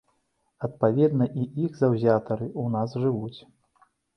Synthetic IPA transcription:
ɐt̪̚pavʲɛd̪nɐʔiiɣzawzʲat̪ɐɾɨʔunasʐɨvut͡sʲ

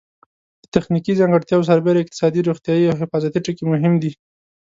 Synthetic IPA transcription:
d̪̥ət̪axnikizaŋɡəɽt̪jɑws̬aɾbeɾaɪq̚t̪ɪ̥sɑd̪iɾoxt̪jɑjiawɦɪfɑzat̪iʈəkemʊɦɪmd̪i

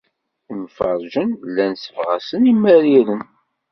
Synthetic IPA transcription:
nfɑɾˤʒənlːænsəfʁæsənimːæɾiɾən

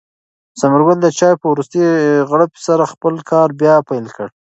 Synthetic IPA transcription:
saməɾɡald̪ət͡ʃɑjpəwɾust̪əɣɽopsaɾaxpəlkʰɑɾbjɑpajlkəɽ

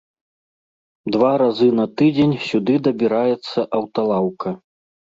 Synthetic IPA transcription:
d̪vaɾazɨnɐt̪ɨd͡zʲenʲsʲud̪ɨd̪ɐbʲiɾajɛt̪sːɐʔɐwt̪alˠawkɐ

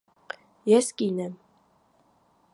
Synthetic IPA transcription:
jɛskʼinɛm

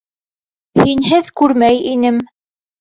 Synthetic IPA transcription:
hinɦɘðkʉɾmæjinɘm

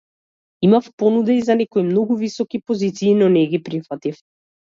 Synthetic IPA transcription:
imafpɔnud̪ɛizanɛkɔimnɔɡuvisɔkipɔzit̪siːnɔnɛɡipɾifat̪if

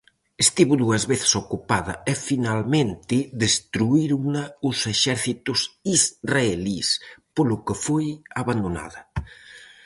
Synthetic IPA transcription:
est̪iβʊðuɐzβeθɪ̥sokupaðɐ̰efinalmẽnt̪ɪðest̪ɾuiɾunaʊseʃɛɾθit̪ʊsizraelispolʊkefojaβand̪ona̰ðɐ

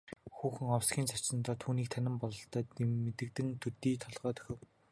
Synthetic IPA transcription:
xuːxɘ̆ŋɔwsɡʲiːnt͡sʰat͡ɕɪ̆nt̪ɔːt̪ʰuːniːk̚t̪ʰanɪ̆mpɔɮɞ̆ɬt̪ɔːmet̪ɘ̆k̚t̪ɘ̆nt̪ʰɵt̪iːt̪ʰɔɮʁœːt̪ʰɵ̥xʲɪ̆w

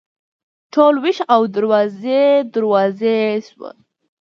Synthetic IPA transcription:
ʈʰolwiʃawd̪əɾwɑzed̪əɾwɑzeswə̰

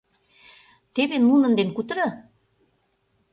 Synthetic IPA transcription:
t̪eβenunə̆nd̪enkut̪əɾɤ

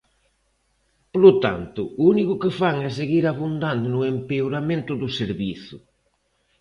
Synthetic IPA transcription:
polʊt̪a̰nt̪ʊunikʊkɪfaŋɛs̬eɣiɾaβund̪and̪ʊnʊempeoɾamẽnt̪ʊðʊseɾβiθʊ

